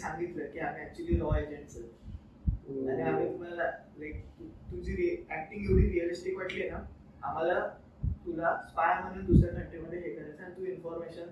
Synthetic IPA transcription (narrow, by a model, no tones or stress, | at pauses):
sãŋɡit̪ləkiːam̤ĩæk̚t͡ɕuəliːlɔed͡ʑeɳʈsə | aniam̤ĩt̪um̤anla | lajk̚ut̪ud͡ʑʱiːɾiækʈiɡʱeʋɽiːɾiəlisʈikʋaʈlena | am̤ala | t̪ulaspajm̤əñuːnd̪usɾaʈəɳʈeməd̪ʱːjeɦekəɾat͡sañit̪uːinfɔɾmeɕən